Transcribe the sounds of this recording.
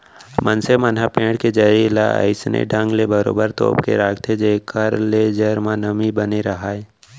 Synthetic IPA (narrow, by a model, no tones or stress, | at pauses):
mənsemənɦapẽːɽked͡ʒəɾila̰ə̰ɪsnḛɖʱə̃ŋɡlebəɾo̰ːbəɾt̪o̰ːpkḛɾaːɡt̪ʰed͡ʒeːkəɾled͡ʒəɾmãnəmibəneɾɐɦaːe